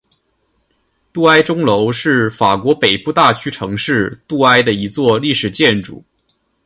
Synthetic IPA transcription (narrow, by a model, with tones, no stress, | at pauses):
t̪u˥˩a˥ɪʈ͡ʂʊ˥ŋlo˧˥ʊʂɻ̩˥˩fa˨˩kwɔ˧˥pe˨˩ɪpu˥˧t̪a˥˩t͡ɕʰy˥ʈ͡ʂʰɤ˧˥ŋʂɻ̩˥˧t̪u˥˩a˥ɪd̪ə˨i˧˥t͡swɔ˥˧li˥˩ʂɻ̩˨˩t͡ɕjɛ˥˩nʈ͡ʂṵ˨˩˦